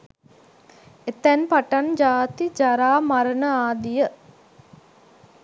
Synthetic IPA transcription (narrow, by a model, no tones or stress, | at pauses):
et̪ɛnpaʈand͡ʒaːt̪id͡ʒaɾaːmaɾənəaːd̪ijə